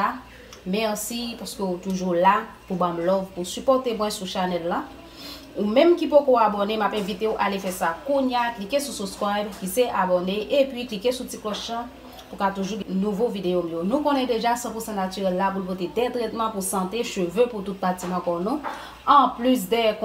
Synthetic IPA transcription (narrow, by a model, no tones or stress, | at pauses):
a | mɛsipaskøut̪uʒula | pubãmlɔvpusypɔt̪emwɛ̃suʃanɛlːa | umɛ̃mkipokoabɔnemapɛ̃vit̪euʔalefɛsakũɲjaklikesususkwajbkiseʔabɔneʔepɥiklikesutiklɔʃã | pukat̪uʒuɡnuvovid̪eomjonũkõnɛdeʒasɑ̃pusɑ̃natyʁɛlːap̬ulpot̪̬ed̪ɛt̪ʁɛt̪mãpusɑ̃t̪eʃøvøput̪ut̪̚patimãkɔnũ | ɑ̃plys̬d̪ɛk